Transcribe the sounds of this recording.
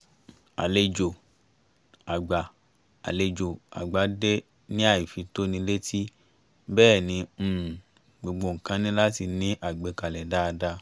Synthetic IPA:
a̰˨le˧d͡ʒo˨ | a˨ɡ͡ba˨ | a̰˨le˧d͡ʒo˨a̰˨ɡ͡ba˨˦de˦ | nĩ˦a˦˨i˨fi˨˧to˦nĩ˧˦le˦tʰi˦ | bɛː˦˨nĩ˨˧m̩˦˨ | ɡ͡bo˧ɡ͡bo˧ŋ̩˨kã˨˦nĩ˦la˦ti˧nĩ˦ʔa˦˨ɡ͡bɛ˨˧˦ka˧˨lɛ˨da˦˧da˧

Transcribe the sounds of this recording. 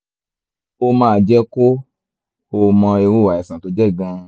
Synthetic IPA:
o˧mãː˨˦˨d͡ʒɛ˦ko˦ | o˧mã˧e˧wo˦˨a˨ɛ˨sã˨to˧d͡ʒɛ˦˨ɡã˧

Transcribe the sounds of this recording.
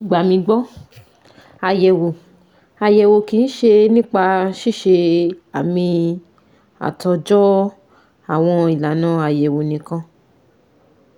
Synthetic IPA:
ɡ͡ba˨mĩ˧ɡ͡bɔ˦ | a˧˨jɛ˨wo˨ | a˨jɛ˨wo˨ki˨˧n̩˦ʃe˧nĩ˦k͡pa˧ʃi˦˨ʃe˧a˨mĩ˧ | a̰˨tɔ˧d͡ʒɔ˦ | a˨w̃ɔ̃˧i˨la˨˦nã˨˦a˨jɛ˨wo˨nĩ˨kã˧

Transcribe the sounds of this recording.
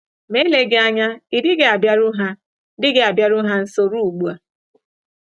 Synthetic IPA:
me˦le˨ɡe˦a˦ɲa˦i˨dɪ˦ɡe˦˨a˨bja˦ɾʊ˦ɦa˦ | dɪ˦ɡe˨a˨bja˨ɾʊ˦ɦa˦n̩˦so˦ɾu˦u˨ɡ͡bu˨˦a˨

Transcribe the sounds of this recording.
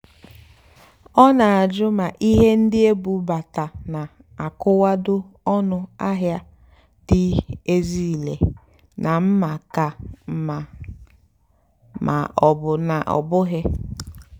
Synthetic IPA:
ɔ˦na˨a˨d͡ʒʊ˦ma˨ʔi˦ɦe˦n̩˦dɪ˦e˦bu˨˦ba˨ta˨na˨ | a˨kʊ˦wa˦dʊ˦ɔ˦nʊ˦a˦ɦja˦ | dɪ˦e˦zi˦˨le˨ | nʔa˨m̩˦ma˨ka˨m˨ | ma̰˨ɔ˨bʊ˨na˨ʔɔ̰˨bʊ˦ɦɪ˦

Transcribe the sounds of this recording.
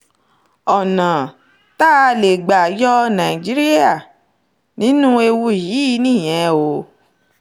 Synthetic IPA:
ɔ˨nã˨ | ta˦˧le˨ɡ͡ba˨jɔ˦nã˨i˨d͡ʒi˨˦ɾi˦a˦˨ | nĩ˨˦nũ˦e˧wu˧jiː˨˦˧nĩ˦˨j̃ɛ̃˨˧˦o˧˦

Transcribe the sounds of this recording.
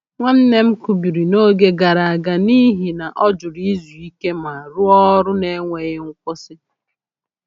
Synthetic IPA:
ŋʷa˦n̩˦ne˦m̩˦ku˦bi˨ɾi˨no˦ɡe˦ɡa˨ɾa˨a˨ɡa˨ni˦ɦi˨na˨ʔɔ˦d͡ʒʊ˨ɾi˦zu˨i˦ke˦ma˨ɾʊ˦ɔ˦ɾʊ˦ne˦ŋʷe˨ɣɪ˦ŋ̩˦kʷʊ˦sɪ˦

